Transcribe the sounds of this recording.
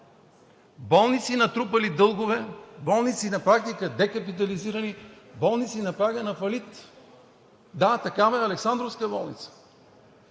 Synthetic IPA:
bɔlˠnit̪sinɐt̪ɾupɐlid̪ɤlˠɡovɛbɔlˠnit̪sinɐpɾak̚t̪ikəd̪ɛkɐpit̪̬ɐliziɾɐni | bɔlˠnit̪sinɐpɾaɡənɐfɐlit̪ | d̪at̪ɐkavɐɛɐlɛksand̪ɾofskəbɔlˠnit̪sə̥

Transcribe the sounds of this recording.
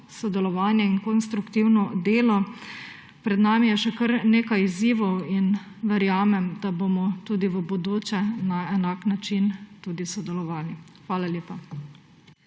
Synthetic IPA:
sɔd̪ɛlɔʋaːnjɛinkɔnst̪ɾukt̪iwnɔd̪eːlɔ | pɾɛd̪naːmijɛʃɛkəɾneːkajiziːʋɔwin | ʋɛɾjaːmɛmd̪abomɔt̪uːd̪iʋəbod̪oːt͡ʃɛnaɛnaːknat͡ʃint̪uːd̪isɔd̪ɛlɔʋaːlixʋaːlaljeːpa

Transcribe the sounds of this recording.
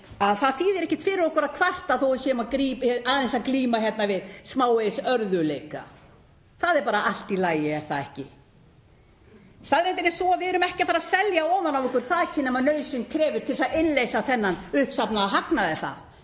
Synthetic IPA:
aðθaðθiːðɛɾɛhcɪ̥t̪fɪːɾɪɾɔhkʏɾaðkʰvar̥t̪aðθowʏsjɛmaðkɾiːpaðθɛnsakliːmaçjɛt̪navɪðsmaːwejsœɾðʏleːjka̰ | θaðɛɾpaːɾaʔal̥t̪ilaːjɪɛɾ̥θaðɛ̰hcɪ | st̪aðɾejt̪̬ɪnɪsɔavɪɛɾʏmɛhcɪθaɾaðsɛljaɔmanawvɪhkʏɾ̥θaðɛcːɪnɛːmanœːɥsɪŋkʰɾɛːvɪɾ̥t̪ʰɪlɪsaðɪnlːejsaθɛnːanʏhpsapnaðaɦaknaðɪθa̰ð

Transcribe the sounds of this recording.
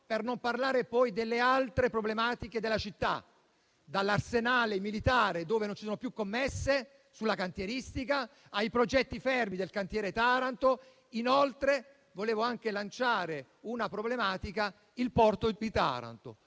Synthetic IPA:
pernomparlaːɾepɔjd̪elːealt̪ɾepɾoblemaːt̪iked̪elːat͡ʃit̪ːa̰ | d̪alːarsenaːlemilit̪aːɾed̪oːvenont͡ʃisoːnopjukːomːesːe | sulːakant̪jeɾist̪ika | ajpɾod͡ʒɛt̪ːifɛrmid̪elkant̪jɛːɾet̪aːɾant̪o | inolt̪ɾe | voleːvoaŋk̟elant͡ʃaːɾe | unapɾoblemaːt̪ika | ilpɔrt̪od̪it̪a̰ːɾa̰nt̪o̰

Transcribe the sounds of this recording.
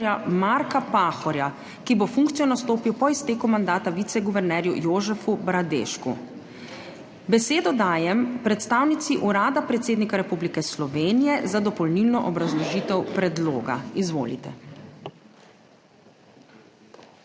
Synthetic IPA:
amaɾkapaːxɔɾja | kibofuŋkt̪sijɔnast̪oːpiwpɔist̪eːkumand̪aːt̪aʋit̪sɛɡuʋɛɾnɛːɾjujoːzɛfubɾad̪ḛːʃkṵ | bɛseːd̪ɔd̪aːjɛmpɾɛt̪st̪aːwnit̪siʔuɾaːd̪apɾɛt̪seːd̪nikaɾɛpublikɛslɔʋeːnijɛzad̪ɔpɔlnilnɔʔɔbɾazlɔʒiːt̪ɛwpɾɛd̪loːɡa̰izʋo̰ːlḭt̪ɛ

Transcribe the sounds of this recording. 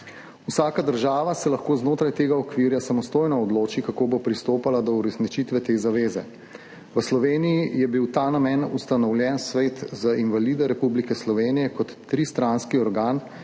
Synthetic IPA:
usaːkad̪əɾʒaːʋasɛlaxkoːznoːt̪ɾajt̪eːɡaɔkʋiːɾjasamɔst̪oːjnɔɔd̪loːt͡ʃikakoːbopɾist̪oːpalad̪ɔuɾɛsnit͡ʃit̪ʋɛt̪eːzaʋeːzɛ | ʋəslɔʋeːnijijɛbiwt̪aːnamɛnust̪anɔwljɛnsʋeːt̪zainʋaliːd̪ɛɾɛpublikɛslɔʋeːnijɛkɔt̪ːɾist̪ɾanskiɔɾɡaːn

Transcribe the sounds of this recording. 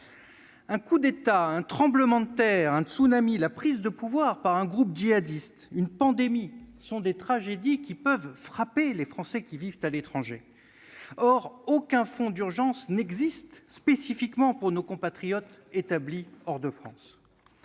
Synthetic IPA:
ɛ̃kud̪et̪aɛ̃t̪χɑ̃bləmɑ̃d̪ət̪ɛʁɛ̃t̪sunamilapχizd̪əpuvwaʁpaʁɛ̃ɡʁup̚d͡ʒiad̪ist̪ynpɑ̃d̪emisɔ̃d̪et̪χaʒed̪ikʲipœvfχapelefχɑ̃sɛkʲivivt̪alet̪χɑ̃ʒe | ɔʁokɛ̃fɔ̃d̪yʁʒɑ̃snɛɡzist̪spesifikmɑ̃puʁnokɔ̃pat̪χijɔt̪et̪abliɔʁd̪əfχɑ̰̃s

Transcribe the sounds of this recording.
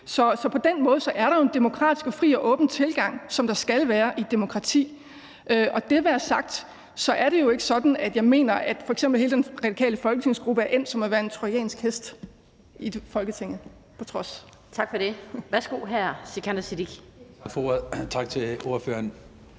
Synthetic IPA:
sɒ̽sɒ̽pʰɒ̽d̥enmɔ̽ːð̞̩ˠsɒ̽ʔæɐɾɑ̈jo̝end̥e̝mo̝kʰʁɑ̈ːd̥isɡ̥ɒ̽fʁḭːɒ̽ʔɔ̽ːb̥n̩t͡sʰe̝lɡ̥ɑ̈ŋ̰sɒ̽md̥ɑ̈sɡ̥ælʋæːɐʔid̥e̝mo̝kʰʁɑ̈t͡sʰḭː | ʔøʔɒ̽d̥e̝ʋeæsɑ̈ɡ̥̚d̥ | sɒ̽ʔæɐɾe̝jo̝e̝ɡ̥əsɒ̽d̥n̩æd̥jɑ̈ɪme̝̰ːnɐʔæd̥fɒ̽eɡsemb̥l̩he̝ːlədenʁɑ̥ikʰɛ̰ːləfɒ̽lɡ̥ət͡sʰe̝ŋ̰sɡ̥ʁub̥əæɐʔem̰sɒ̽mɒʋæːɐe̝nt͡sʰʁojɛ̰ːnsɡ̥hesd̥ | ifɒ̽lɡ̥ət͡sʰe̝ŋ̰ð̩ˠ | pʰɒ̽t͡sʰʁɒ̽s | t͡sʰɑ̈ɡ̥fɒɾeʋæɐsɡ̥o̝̰ːɦæɐ̰sekʰænd̥ɐsid̥iɡ̥ | fot͡sʰɑ̈ɡ̥t͡sʰe̝o̝ɐfø̰ːɐn

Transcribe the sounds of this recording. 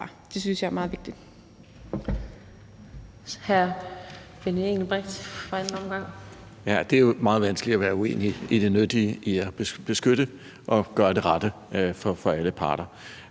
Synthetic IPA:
d̥e̝synsjɑ̈ɪmɑːð̩ˠʋe̝ɡ̥̚d̥id̥ | hæɐ | fenəeŋl̩b̥ʁɛɡ̥d̥fɒen̩ɒ̽mɡ̥ɑ̈ŋ̰ | jæd̥e̝æjomɑ̈ːð̞̩ˠʋænsɡ̥li̥æʋæːɐue̝̰ːniid̥e̝nød̥iəiæb̥b̥e̝sɡ̥øɾ̥ə | ʔɒ̽ɡ̥ɶːɐd̥e̝ʁɑ̈d̥ə | fɒ̽fɒ̽æləpʰɑ̈ːɾ̥ɐ

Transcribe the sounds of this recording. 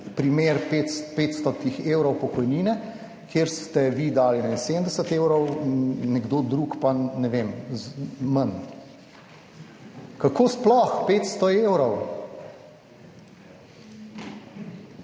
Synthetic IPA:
pɾimeɾpet̪speːt̪st̪ɔt̪ixewɾɔwpɔkɔjniːnɛ | kʰjeːɾst̪ɛʋid̪aːlinainsemd̪ɛsət̪ewɾɔwnɛɡd̪oːd̪ɾuːkpanɛʋemzmən | kakoːsplɔxpeːt̪st̪ɔewɾɔw

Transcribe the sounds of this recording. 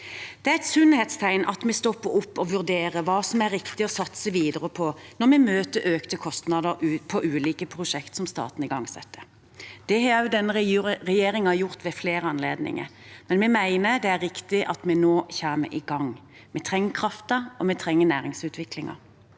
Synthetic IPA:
d̪̥ɛæɛt̪sʉnheːt̪st̪ʰæɪnɑ̰t̪mɛst̪ɔpːəɾʊpːɔʋʉʁd̪eːɾəʋɑːsɔmæɾːɪkt̪ɪɔsɑt̪səʋiːd̪əʁəpʰɔnɔʁmɛmøːt̪əɾøːkt̪əkʰɔst̪nɑd̪əɾʉpʰɔʔʉːliːkəpʰʁʊʂɛkt̪sɔmst̪ɑ̰ːt̪n̩ɪɡɑŋsɛ̰t̪ːə | d̪̥ɛhɑɑʉd̪ɛnːəɾɛjeːɾɪŋɑjʊʁt̪ʋɛfleːɾəɑnlḛːd̪nɪ̰ŋə̰ɾmɛnmɛmæɪnəd̪ɛæɾːɪkt̪ɪʔɑt̪mɛnoːçæːmə̰ʔɪɡɑŋ | mɛt̪ʰɾɛŋːəkʰʁɑft̪əɔmɛt̪ʰʁɛŋːənæːɾɪŋsʉːt̪ʰʋɪklɪŋɑ̰

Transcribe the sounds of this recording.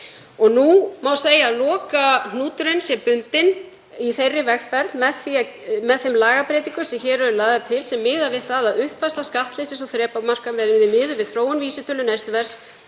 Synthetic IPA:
ɔɣnumawseːjalɔːkan̥uːt̪ʏɾɪnsjɛpʏnt̪ɪn | iθejrːɪvɛɣfɛɾt̪nmɛðθia | mɛðθemlaːɣapɾejt̪iŋkʏsɛmçɛːɾœɾʏlaːðaɾt̪ʰɪlsɛmːɪːðavɪðθaðaðʏhpfast̪askaht̪lɪsɪsɔθɾɛːpamar̥kamvɛːɾɪðɪmɪːðʏvɪðθɾoːwʏnviːsɪt̪ʰœlːʏnajst̪vɛɾ̥s

